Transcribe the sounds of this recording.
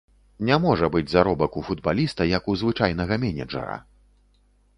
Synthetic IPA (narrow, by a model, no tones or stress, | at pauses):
nʲamɔʐɐbɨd͡zʲzaɾɔbɐkufud̪balʲist̪ɐjɐkuzvɨt͡ʂajnɐɣɐmʲɛnʲɛd͡ʐɐ̰ɾɐ̰